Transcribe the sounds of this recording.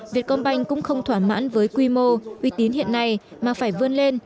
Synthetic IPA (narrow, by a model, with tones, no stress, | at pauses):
vi˨˩ət̚kɔ˧nɓa˧jŋ̟kʊ̰˧˥ŋ͡mxə˧wŋ͡mt̪ʰwaː˧˩ma̰ː˧˥nvəː˨˦jkwi˧mo˧ʔwi˧t̪i˨˦ənhḭ˧˨ənːa˨˩j | maː˨˩faː˧˩jvɨ˧ənle˧n